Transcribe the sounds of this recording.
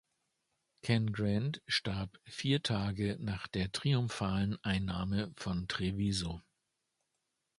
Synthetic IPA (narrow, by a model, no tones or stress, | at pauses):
kʰɛnɡʁantʃtaɐpfiːɐtʰaːɡənaːχd̥eːɐtʁ̥iʊmfaːlənʔaɪnːaːməfɔntʁ̥eviːzo